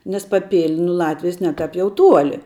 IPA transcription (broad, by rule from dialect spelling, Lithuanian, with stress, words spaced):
nʲɛs pɐˈpʲɪlʲ nʊ ˈlˠɑːtʲʋʲɪjɛs ˈnʲɛ tɑːp ˈjɛʊ ˈtuɔlʲɪ